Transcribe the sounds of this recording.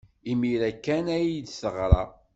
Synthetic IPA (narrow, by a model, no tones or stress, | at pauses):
imiɾækːænæjd̪səʁɾˤɑ̰